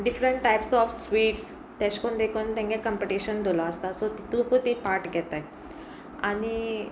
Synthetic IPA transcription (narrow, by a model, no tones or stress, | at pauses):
ɖifɾəɳʈʈajpsɔfsʋiːʈs | t̪ɛ̃skond̪ekʰunt̪ãŋɡekəmpiʈiɕənd̪ʱolɔəst̪asot̪it̪ũkut̪ipaɾʈɡʱɛt̪aj | ani